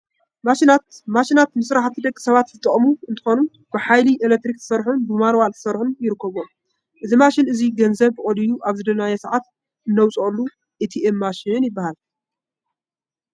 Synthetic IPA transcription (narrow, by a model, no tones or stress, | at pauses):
maʃinat̪̚maʃinat̪mɨsɾaħt̪ʰɨd̪ɐkʼːisɐβat̪zɨt̪ʼɨχʼmuɨnt̪ʰɨ̥xonu | b̥ɨħajliʔelek̚t̪ɾik̚t̪ʰɨ̥sɐɾħunbɨmanwalt̪ʰɨ̥sɐɾħunjɪɾɨkʰːɐβo | ʔɨzimaʃinɨziɡɐnzɐβɨkʼolijuʔaβzɨd̪ɐlajɐsɐʕat̪ | ɨnːɐwt͡sʼlːu | ʔɨt̪ʰiemːaʃinjɪbːahal